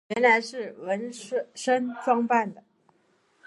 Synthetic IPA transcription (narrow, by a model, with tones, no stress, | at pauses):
ɥɛ˧˥nla˧˥ɪʂɻ̩˥˩wə˧˥n˥ʂə˥nʈ͡ʂwɑ˥ŋpa˥˩nd̪ə˩